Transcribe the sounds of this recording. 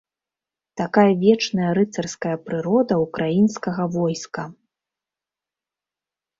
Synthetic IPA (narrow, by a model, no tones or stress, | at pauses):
t̪akajɐvʲɛt͡ʂnɐjɐɾɨt̪sɐrskɐjɐpɾɨɾɔd̪ɐukɾajinskɐɣɐvɔjskɐ